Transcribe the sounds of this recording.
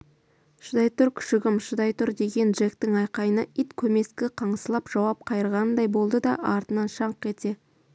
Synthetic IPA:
ʃʊd̪ɑjt̪ʊɾkʲʰʏ̥ʃɪɡʲɪmʃəd̪ɑjt̪ʰʊɾd̪e̞ɡʲe̞nʒekt̪ɪŋɑjqɑjənəʔit̪kʲʰɵme̞skʲɪqʰɑɴəsəlˠɑpʒ̥ɑwɑp̚qʰɑjəɾʁɑnənd̪ɑjbo̞lˠd̪əd̪ɑʔɑɾt̪ənɑnʃɑɴqe̞t̪e̞

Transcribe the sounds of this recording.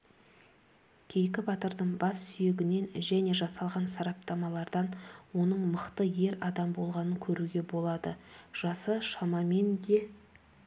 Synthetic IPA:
kʲʰe̞jkʲɪbɑt̪əɾd̪əɴbɑsːʏje̞ɡʲɪne̞nʒæne̞ʒɑsɑlˠʁɑnsɑɾɑp̚t̪ɑmɑlˠɑɾd̪ɑnwo̞nəɴməqt̪əje̞ɾɑd̪ɑmbo̞lˠʁɑnəŋkʲʰɵɾuɡʲe̞bo̞lˠɑd̪əʒ̥ɑsəʃɑmɑme̞nd̪e̞

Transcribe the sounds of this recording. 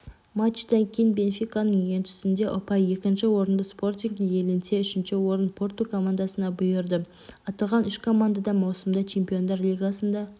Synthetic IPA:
mat͡ʃt̪eŋkʲʰejnbʲe̞nfʲijkanəŋjenʃɪ̥sɪnd̪e̞ʔʊpɑje̞kʲɪnʃɪwo̞ɾənd̪əspo̞rt̪ʲiŋɡje̞lɪnseʏʃɪnʃɪwo̞ɾənpʰo̞rt̪ukʰo̞mand̪asənɑbʊjəɾd̪ə | ɑt̪ɑlˠʁɑnʏʃkʰo̞mand̪ad̪ɑmɑwsəmd̪ɑt͡ʃʰe̞mpʲijo̞nd̪ɑɾlʲijɡasənd̪ɑ

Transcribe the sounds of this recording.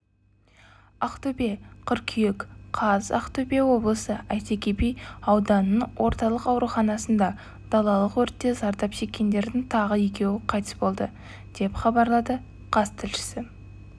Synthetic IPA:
ɑqt̪obe̞qʰʏɾkʲʰijekqʰɑzɑ̰qt̪obewo̞blˠəsəæjt̪ekʲepejɑwd̪ɑnːənwʔo̞ɾt̪ɑlˠəqɑwɾuχɑnɑsənd̪ɑ | d̪̥ɑlˠɑlˠəqwɵɾt̪ːe̞zɑɾd̪ɑpʒe̞kʲːe̞nd̪e̞ɾd̪ɪŋt̪ʰɑʁəje̞kʲe̞wɪqʰɑjt̪ə̥sbo̞lˠd̪ə | d̪̥e̞pχɑbɑɾlˠɑd̪ə | qʰɑzt̪ʰɪlʃɪ̥sɪ

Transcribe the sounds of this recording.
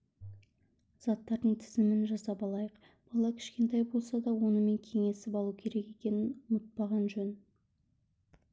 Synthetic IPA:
z̥ɑt̪ːɑɾd̪əɴt̪ʰɪzɪmɪnʒɑsɑpɑlˠɑjəq | b̥ɑlˠɑkʲʰɪ̥ʃkʲe̞nt̪ɑjbo̞lˠsɑd̪ɑwo̞nəme̞ŋkʲʰe̞ŋe̞sɪpɑlˠukʲʰe̞ɾe̞ke̞kʲe̞nɪnʊmət̪̚pɑʁɑnʒɵn

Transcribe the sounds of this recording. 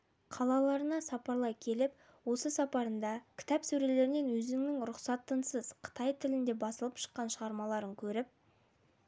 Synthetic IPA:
qʰɑlˠɑlˠɑɾənɑsɑpɑɾlˠɑjkʲʰe̞lɪp | wo̞səsɑpɑɾənd̪ɑkʲʰɪ̥t̪ɑpsɵɾe̞le̞ɾɪne̞nwɵzɪŋnɪŋɾʊqsɑt̪ːənsəzqʰə̥t̪ɑjt̪ʰɪlɪnd̪e̞bɑsəlˠəpʃə̥qːɑnʃəʁɑɾmɑlˠɑɾəŋkʲʰɵɾɪp̚

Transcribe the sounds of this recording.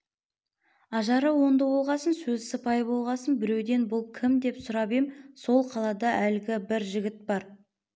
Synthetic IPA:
ɑʒɑɾəwo̞nd̪əwo̞lˠʁɑsənsɵzsəpɑjəbo̞lˠʁɑsənbɪɾe̞wd̪e̞nbʊlˠkʲʰɪmd̪e̞psʊɾɑbemso̞lˠqʰɑlˠɑd̪ɑʔælɪɡʲɪbɪɾʒɪɡʲɪt̪̚bɑɾ

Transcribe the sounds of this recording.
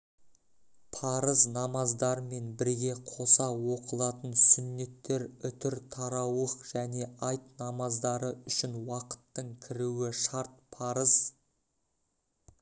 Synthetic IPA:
pʰɑɾəznɑmɑzd̪ɑɾme̞nbɪɾɡʲe̞qʰo̞sɑwo̞qəlˠɑt̪ənsʏnːe̞t̪ːe̞ɾʏt̪ɪɾt̪ʰɑɾɑwəqʒ̥æne̞ɑjt̪nɑmɑzd̪ɑɾəʏʃɪnwɑqə̥t̪ːəɴkʲʰɪɾuwɪʃɑɾt̪̚pʰɑɾəz̥

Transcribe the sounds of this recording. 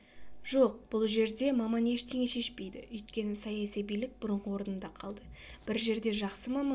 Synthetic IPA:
ʒo̞q̚b̥ʊlˠʒe̞ɾd̪e̞mɑmɑne̞ʃt̪ʰe̞ŋʲe̞ʃe̞ʃpe̞jd̪ɪ̰ʏjt̪̚kʲe̞nɪsɑjɑsijbijlɪk̚bʊɾəɴqəwo̞ɾənənd̪ɑqʰɑlˠd̪əb̥ɪɾʒe̞ɾd̪e̞ʒɑqsəmɑmɑ

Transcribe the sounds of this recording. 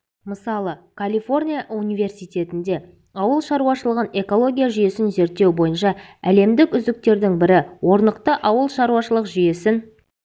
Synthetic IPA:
məsɑlˠəkʰalʲifo̞rnʲijaʔunijve̞rsijt̪e̞t̪ɪnd̪e̞ | ɑwəlˠʃɑɾuwɑʃəlˠəʁəne̞ko̞lˠo̞ɡʲijaʒʏje̞sɪnze̞ɾt̪ːe̞wbo̞jənʃɑæle̞md̪ɪkʏzd̪ɪk̚t̪e̞ɾd̪ɪŋbɪɾɪwo̞ɾnəqt̪əʔɑwəlˠʃɑɾuwɑʃəlˠəqʒʏje̞sɪn

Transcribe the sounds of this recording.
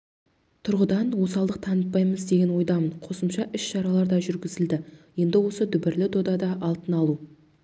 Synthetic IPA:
t̪ʰʊɾʁəd̪ɑnwo̞sɑlˠd̪əq̚t̪ʰɑnəp̪̚pːɑjməzd̪e̞ɡʲe̞nwo̞jd̪ɑmənqʰo̞səmʃɑʔʏʃʃɑɾɑlˠɑɾd̪ɑʒʏɾɡʲɪzɪld̪ɪje̞nd̪ɪwo̞səd̪ʏbɪɾlɪd̪od̪ɑd̪ɑʔɑlˠt̪ənɑlˠu

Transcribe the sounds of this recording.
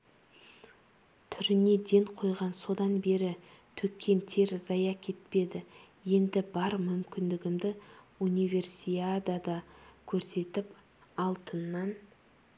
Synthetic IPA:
t̪ʰʏɾɪne̞d̪e̞ŋqʰo̞jʁɑnso̞d̪ɑnbe̞ɾɪ | t̪ʰɵkʲʰːe̞nt̪ʰe̞ɾzɑjɑkʲʰe̞t̪pe̞d̪ɪ | je̞nd̪ɪbɑɾmʏmkʲɪnd̪ɪɡʲɪmd̪ɪunive̞rsiad̪ad̪ɑkʲʰɵɾse̞t̪ɪp | ɑlˠt̪ənːɑn

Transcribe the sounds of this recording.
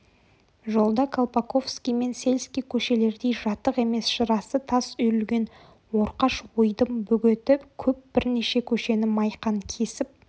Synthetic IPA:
ʒo̞lˠd̪ɑkʰolˠpako̞vskʲijme̞nse̞lʲskʲijkʲʰɵʃe̞le̞ɾd̪e̞jʒɑt̪ːəqe̞me̞sʃəɾɑsət̪ʰɑsʏjɾʏlɡʲe̞n | wo̞ɾqɑʃwojd̪əmbɵɡʲet̪ɪpkʲʰɵp̚b̥ɪɾneʃe̞kʲʰɵʃe̞nɪmɑjqɑŋkʲʰe̞sɪp̚

